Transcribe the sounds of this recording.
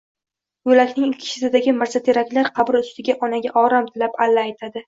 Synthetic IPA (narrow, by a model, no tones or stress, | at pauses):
bʊlakʲnɪŋlkʲʰɪ̥ʃɪsɪd̪aɡʲɪmaɾsat̪ʰeɾakʲlaɾqʰɑbɪɾʊst̪ʰɪɡʲaʔɒnaɡʲaʔɒɾamt̪ʰɪlapalːaːjt̪ʰad̪ɪ